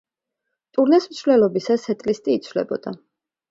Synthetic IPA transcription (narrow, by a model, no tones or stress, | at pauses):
t̪ʼuɾnɛsmt̪sʰvlɛlˠɔbisasɛt̪ʼlist̪ʼiːt̪sʰvlɛ̰bɔ̰d̪̥a